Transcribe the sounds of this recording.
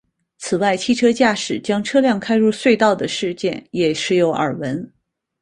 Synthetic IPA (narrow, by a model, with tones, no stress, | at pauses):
t͡sʰɹ̩˨˩wa˥˩ɪt͡ɕʰi˥˩ʈ͡ʂʰɤ˥t͡ɕja˥˩ʂɻ̩˨˩t͡ɕjɑ˥ŋʈ͡ʂʰɤ˥ljɑ˥˩ŋkʰa˥ɪɻu˥˧swe˥˧ɪt̪ɑ˥˩ʊd̪ə˩ʂɻ̩˥˧t͡ɕjɛ˥˩njɛ˨˩ʂɻ̩˧˥jo˧˥ʊʔə̰˞˨˩wə˧˥n